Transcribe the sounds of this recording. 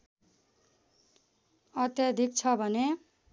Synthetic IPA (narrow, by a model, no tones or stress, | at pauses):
ʌt̪jʌd̪ʱik̚t͡sʰʌbʱʌne